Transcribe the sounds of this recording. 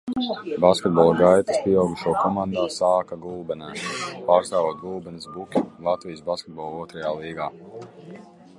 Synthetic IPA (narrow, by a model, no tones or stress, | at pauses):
baskʲɛt̪̚bɔlˠaɡajt̪i̥spiɛawɡuʃuɔkɔmãnd̪aːsaːkaɡulˠbɛnɛːpaːɾst̪aːvoɔt̪̚ɡulˠbɛnsbukʲilˠat̪vijisbaskʲɛt̪̚bɔlˠuɔt̪ɾajaːlˠiːɡaː